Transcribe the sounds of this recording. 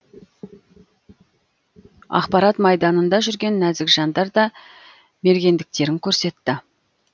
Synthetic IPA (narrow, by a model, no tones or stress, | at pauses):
ɑ̰qpɑɾɑt̪mɑjd̪ɑnənd̪ɑʒʏɾɡʲe̞nːæzɪkʒɑnd̪ɑɾd̪ɑ | me̞ɾɡʲe̞nd̪ɪk̚t̪e̞ɾɪŋkʲʰɵɾse̞t̪ːɪ